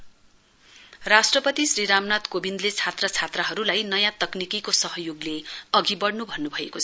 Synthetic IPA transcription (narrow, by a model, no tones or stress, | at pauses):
rasʈrʌpʌt̪isɾiɾamnat̪kobind̪let͡sʰat̪rʌt͡sʰat̪rʌɦʌɾulajnʌjãt̪ʌknikikosʌɦʌjoɡleʌɡibʌɽnubʱʌnːubʱʌekot͡sʰʌ̥